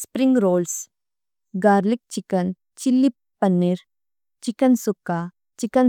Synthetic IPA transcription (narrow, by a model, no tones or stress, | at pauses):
spɾɪ̃ŋɡɾoːls | ɡaːɾlik̚t͡ʃɪkən | t͡ʃɪlːi | pɐnːiɾ | t͡ʃikənsʊkːa | t͡ʃɪkən